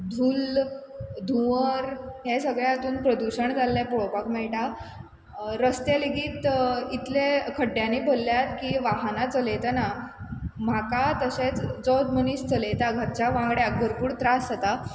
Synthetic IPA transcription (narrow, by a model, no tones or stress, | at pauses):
d̪ʱuːl | d̪ʱuʋəɾɦesəɡɭjaat̪uːnpɾəd̪uɕəɳd͡zalːepoɭopakmɛɭʈa | ɾəst̪eleɡiːt̪it̪lekʰəɖjaniːbʱolːjat̪kiːʋaɦnat͡səlejt̪ana | m̤akat̪əɕet͡sd͡zɔwd̪məniːɕt͡səlejt̪aɡʱəɾt͡ɕaʋãŋɡɽeəɡəɾpuːɽt̪ɾasat̪a